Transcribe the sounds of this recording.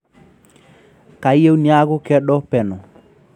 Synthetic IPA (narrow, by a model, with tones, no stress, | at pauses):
ka˨i˦e˦u˦nia˦ɣʊ˦kɛ˦ɗɔ˦pɛ˨nɔ˨